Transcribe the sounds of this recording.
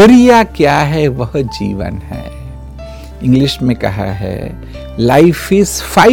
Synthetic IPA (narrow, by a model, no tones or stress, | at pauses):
ɐɾijakjaɦɛʋɐɦd͡ʒḭːʋə̰nɦɛ̰ː | ɪ̃ŋɡlɪʃmẽkɐ̰ɦa̰ɦɛ̰ː | laɪfɪsfaː